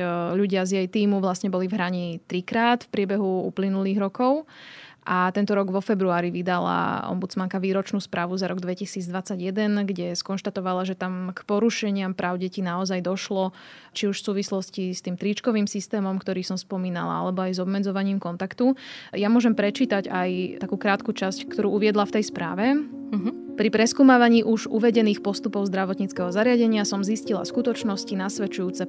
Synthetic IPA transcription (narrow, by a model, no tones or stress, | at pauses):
ʎuɟɪazjɛjt̪iːmuʋlasɲɛbɔlivɦɾaɲit̪ɾikɾaːt̪fpɾɪɛbɛɦuṵplinuliːɣɾɔkɔʊ | ʔat̪ɛnt̪ɔɾɔɡʋɔfɛbɾuaːɾiʋid̪ala̰ɔ̰mbud͡zmaŋkaʋiːɾɔt͡ʃnuːspɾʔaːʋuzaɾɔɡd̪ʋɛcisiːd͡zd̪ʋat͡saɟjɛd̪ɛnɡɟɛskɔnʃt̪at̪ɔʋalaʒɛt̪amkpɔɾuʃɛɲɪampɾʔaːʊɟɛcinaɔzajd̪ɔʃlɔt͡ʃiuʃfsuːʋislɔscist̪iːmt̪ɾit͡ʃkɔʋiːmsist̪ɛːmɔmkt̪ɔɾiːsɔmspɔmiːna̰la̰a̰lɛbɔajzɔbmɛd͡zɔʋaɲiːmkɔnt̪akt̪ujamʊɔʒɛmpɾɛt͡ʃiːt̪aɟajt̪akuːkɾaːt̪kut͡ʃasckt̪ɔɾuːuʋɪɛd̪laft̪ɛjspɾa̰ːʋɛ | pɾipɾɛskuːmaːʋaɲiːʔuʒʔuʋɛɟɛniːxpɔst̪upɔʊzd̪ɾaʋɔt̪ɲit͡skɛɦɔzaɾɪaɟɛɲɪasɔmziscila̰skut̪ɔt͡ʃnɔscinasʋɛt͡ʃujuːt͡sɛ